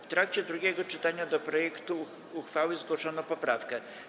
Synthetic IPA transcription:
ft̪ɾakt͡ɕɛd̪ɾuɡʲɛɡɔt͡ʂɘt̪aɲad̪ɔpɾɔjɛkt̪uː | xfawɘzɡwɔʂɔnɔpɔpɾafkɛ

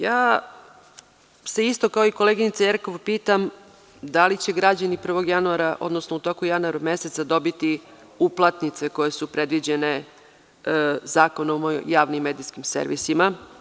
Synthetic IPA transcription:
jaː | se̞ist̪o̞kaoiko̞leɡinit̪sajeɾko̞ʋpiːt̪am | d̪alit͡ɕe̞ɡɾad͡ʑanipr̩ʋo̞ɡjanuaɾaʔo̞̰d̪nosnout̪o̞kujanuaɾumeset̪sad̪o̞bit̪i | uplˠat̪nit̪se̞ko̞je̞supɾed̪ʋid͡ʑe̞ne̞ | zaːko̞nomojaːʋnimːed̪iskimsḛɾʋḭsima

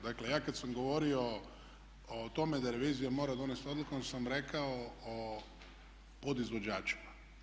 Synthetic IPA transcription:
d̪akle̞jaːkad̪samɡo̞ʋo̞ɾio̞ | ot̪o̞me̞d̪aɾe̞ʋiːzijamo̞ːɾad̪o̞nest̪o̞d̪lˠukuonsamɾe̞kaoo | po̞d̪izʋo̞d͡ʒaːt͡ʃi̥ma

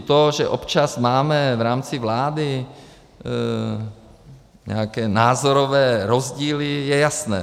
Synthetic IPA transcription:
t̪oʒɛʔopt͡ʃasmaːmɛvɾaːmt͡sɪvlaːdɪ | ɲɛ̰akɛːnaːzoɾovɛːɾozɟiːlɪjɛjasnɛ̰ː

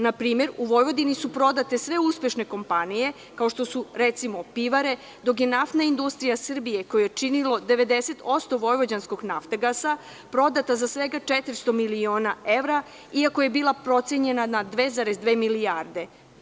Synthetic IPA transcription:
napɾiːme̞ɾuʋo̞jʋo̞d̪inisupɾo̞d̪at̪e̞sʋe̞uspe̞ʃneko̞mpanije̞ | kao̞ʃt̪o̞suɾet̪simo̞piʋaɾe̞ | d̪o̞k̬je̞naft̪naind̪ust̪ɾijasr̩bijeko̞jojet͡ʃinilo̞d̪eʋe̞d̪e̞se̞t̪o̞st̪o̞ʋo̞jʋod͡ʑansko̞ɡnaft̪aɡasa | pɾo̞d̪at̪azasʋe̞ɡat͡ʂet̪iɾst̪o̞milio̞ːnae̞vɾa | iakoje̞biːlˠapɾo̞t̪sjeɲe̞nanad̪ʋe̞zaɾezd̪ʋe̞ːmilijaɾd̪e̞

